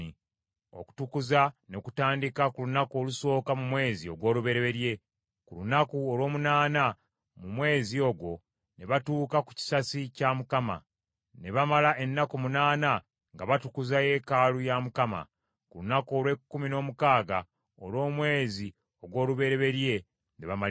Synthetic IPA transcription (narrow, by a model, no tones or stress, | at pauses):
i | o̞̰ku̥tukuzano̞ku̥taːndikakulunako̞ːluso̞ːkamumwe̞ːzio̞ɡwo̞ːluβe̞ɾeβe̞ɾje̞ | kulunakuolo̞ːmunaːna | mumwe̞ːzio̞ɡwo̞ | ne̞βatuːkaku̥ci̥sasicamukama̰ | ne̞βamalae̞nːakomunaːna | ŋɡaβatukuzaje̞ːkalujamukama̰ | kulunako̞ːlwe̞kːumino̞ːmukaːɡa | olwo̞ːmwe̞ːzi | o̞ɡwo̞ːluβe̞ɾe̞βe̞ɾje̞ | nḛβama